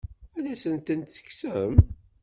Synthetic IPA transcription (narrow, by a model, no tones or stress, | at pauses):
ælæsənt̪ənt̪θə̥kːsəəm